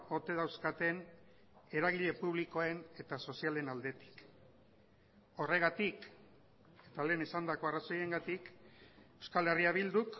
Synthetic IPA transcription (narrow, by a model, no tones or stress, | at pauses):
o̞t̪e̞ð̞awskat̪e̞n | e̞ɾaɣ̞iʎe̞puβ̞liko̞ene̞t̪aso̞siale̞nald̪e̞t̪i̥k | o̞re̞ɣat̪ik | e̞t̪ale̞ːnesand̪ako̞araso̞je̞ŋɡat̪ikewskale̞riaβild̪uk